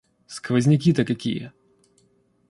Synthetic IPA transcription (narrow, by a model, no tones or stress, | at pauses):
skvɐzʲnʲɪk̬ʲit̪əkɐkʲḭjə̰